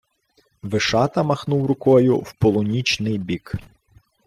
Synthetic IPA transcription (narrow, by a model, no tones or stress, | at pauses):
ʋɪʃɑt̪ɐmɐxnuwrʊkɔjʊ̰wpɔlˠʊnʲit͡ʃnɪjbʲik